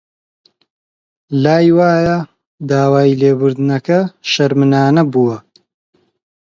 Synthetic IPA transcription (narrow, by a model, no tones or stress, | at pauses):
laːjwaːjɐ | d̪aːwaːjileːbʊɾd̪ɨnɐkɐʃɐɾmɨnaːnɐbuwɐ